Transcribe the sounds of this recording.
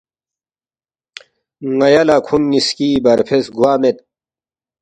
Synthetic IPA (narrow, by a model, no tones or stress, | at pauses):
ŋɐjɐlakʰunːiskiːbɐɾpʰesɡwaːmet̪̚